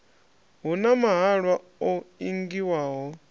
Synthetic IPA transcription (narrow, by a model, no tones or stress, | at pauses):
ɦunamaɦaɺwa | oiŋɡiwaːɦɔ